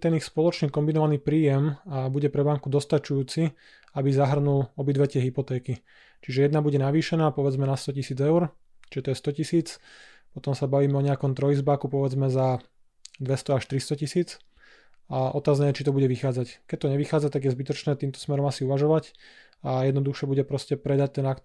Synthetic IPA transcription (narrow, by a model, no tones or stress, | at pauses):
t̪ɛnixspɔlɔt͡ʃnikɔmbinɔʋaniːpɾiːjɛmbuɟɛpɾɛbaŋkud̪ɔst̪at͡ʃujuːt͡si | abizaɦr̩nulɔbid̪ʋɛcɪɛɦipɔt̪ɛːki | t͡ʃiʒɛjɛd̪nabuɟɛnaʋiːʃɛnaːpɔʋɛd͡zmɛnast̪ɔcisiːd͡zɛʊɾ | t͡ʃiʒɛt̪ɔjɛst̪ɔcisiːt͡s | pɔt̪ɔmsabaʋiːmɛɔɲɛakɔmt̪ɾɔjizbaːkupɔʋɛd͡zmɛza | d̪ʋɛst̪ɔaʃt̪ɾist̪ɔcisiːt͡s | aʔɔt̪aːznɛːjɛt͡ʃit̪ɔbuɟɛʋixaːd͡zackɛc̚t̪ɔɲɛʋixaːd͡zat̪aɡjɛzbit̪ɔt͡ʃnɛːt̪iːmt̪ɔ̥smɛɾɔmasiuʋaʒɔʋac | ajɛd̪nɔd̪uxʃɛbuɟɛpɾɔscɛpɾɛd̪ac̚t̪ɛnakt̪